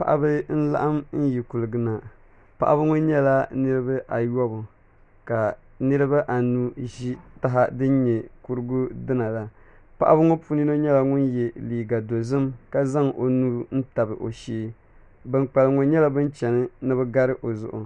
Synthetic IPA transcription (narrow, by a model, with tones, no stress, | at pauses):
pa˨ʔa̰˨˦bɨ˦n̩˦la̰˦ʔa˦mn̩˦ji˨ku˨lɨ˨ɡɨ˨na˨ | pa̰˨ʔa̰˦bɨ˦ŋʊ˦nɲɛ˦la˦nɨ˦ɾɨ˦ba˦ʔa˨jɔ˦bʊ˨ | ka˨ | nɨ˦ɾɨ˦ba˦ʔa˨nuː˦ʒi˦ta˦ɦa˦dɨ˦n˦ɲɛ˨ku˦ɾɨ˦ɡʊ˦dɨ˦na˨la˨ | pa˨ʔa̰˦bɨ˦ŋʊ˦pu˦ni˦no˦ɲɛ˦la˨˦ŋʊ˦njɛ˨liː˨ɡa˨do˨zɨ˦mka˦za˦ŋʔo˨nuː˦ɾn̩˦ta˨bɨ˨ʔo˨ʃiː˦ | bɨ˦˨nk͡pa˨lŋo˨ɲɛ˦la˦bɨ˦n˦t͡ʃɛ˨nɨ˦nɨ˦βɨ˦ɡa˦ɾɨ˦ʔo˨zʊ̰˨ʔʊ̰˨